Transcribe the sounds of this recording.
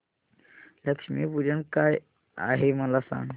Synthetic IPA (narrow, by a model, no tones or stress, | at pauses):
ləkʂmḭːpud͡ʑəɳkaj | a̰ɦeməlasã̰ŋɡ